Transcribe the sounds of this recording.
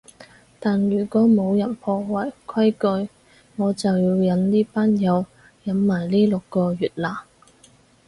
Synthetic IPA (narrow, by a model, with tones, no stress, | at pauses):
t̪aː˨njyː˨˩kʷɔː˨˥mo˨˧wjɐ˨˩npʰɔː˧wɐ˨˩jkʰɐ˥jkɵ˧ɥ | ŋɔː˨˧t͡sɐ˨wjiː˧wjɐ˨˥nliː˥paː˥njɐ˨˧w | jɐ˨˥nmaː˨˩jliː˥lʊ˨kːɔː˧jyː˨t̚laː˨˩